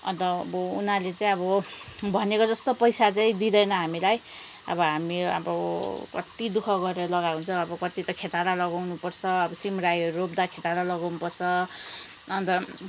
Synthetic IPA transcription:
ʌ̰nt̪ʌʌbʌunalet͡saĩʌbʌbʱʌnekod͡zʌst̪opʌjsat͡saĩd̪id̪ʌjnʌɦamilaj | ʌ̰bʌɦamiʌ̰bʌkʌ̰t̪id̪ukʰʌɡʌɾeɾʌlʌɡawũnt͡sʰʌʌbʌkʌt̪it̪ʌkʰet̪aɾalʌɡawnupʌrt͡sʰʌːbʌsimɾajʌɾurob̚d̪akʰet̪aɾalʌɣawnupʌrt͡sʰʌ | ʌnt̪ʌ

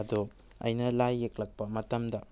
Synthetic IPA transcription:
ɐd̪u | ɐ̰jnɐlajːeklɐk̚pɐmɐtɐmdɐ

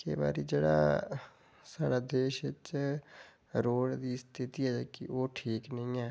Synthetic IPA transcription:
kḛːba̰ːɾiːd͡ʒeːɽa̰ː | saːɽaːd̪eːʃɪt͡ʃ | ɾoːɽd̪iːst̪ʰɪt̪iːɛːd͡ʒːkɪ̰ʔoːʈʰiːknəĩːɛː

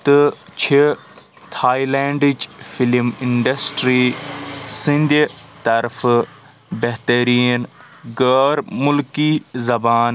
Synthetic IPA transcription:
t̪ɨt͡ʃʰi | t̪ʰaːileːɳɖid͡ʒfilimiɳɖɐsʈɾiːsĩnd̪it̪ɐɾf | beɦt̪eɾiːn | ɡəːɾmulkiːzɐbaːn

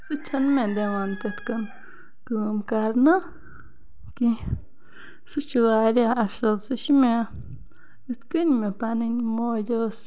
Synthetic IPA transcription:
sɨt͡ʃʰɐnmẽd̪eʋaːnt̪ɐt̪ʰkɐn | kəːmkɐɾna | ki | sɨt͡ʃʰiwaːɾʲaɐʃɐlsɨt͡ʃʰme | ɨt̪ʰkɨnʲmepaninmoːd͡ʒos

